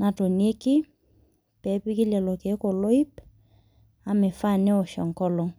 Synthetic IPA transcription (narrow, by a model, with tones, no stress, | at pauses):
na˨to˨ni˦e˦kɪ˦ | pɛ˨˦pɪ˦kɪ˦lɛ˨lɔ˨ke˨˦ko˨lo˦i˦p | a˨mɛ˨fa˦˨nɛ˦ɔ˨ʃɔ˨ŋkɔ˦lɔ˨ŋ